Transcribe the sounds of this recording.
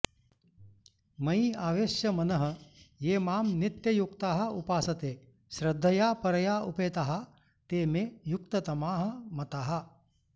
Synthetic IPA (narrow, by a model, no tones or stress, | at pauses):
mɐiaːʋeːʃjɐmɐnɐɦɐ̆jeːmaːmnit̪jɐjukt̪aːɦɐ̆upaːsɐt̪eː | ʃɾɐd̪ʱːɐjaːpɐɾɐjaːupeːt̪aɦɐ | t̪eːmejukt̪ɐt̪ɐmaːɦɐ̆mɐt̪aːɦɐ